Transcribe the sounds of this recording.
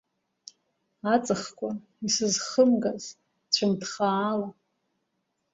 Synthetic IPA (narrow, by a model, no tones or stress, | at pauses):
at͡sʼɨχkʷʼa | isɨzχəmɡaz | t͡ɕʷʰɨmdχaːla